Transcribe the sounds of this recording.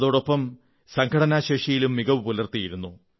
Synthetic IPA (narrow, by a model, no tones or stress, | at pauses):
ðo̞ːɽo̞pːɐm | sɐŋkʰɐɽɐnaːɕeːʂijilumːiɣɐʋɨpulɐrt̪ijiɾunːu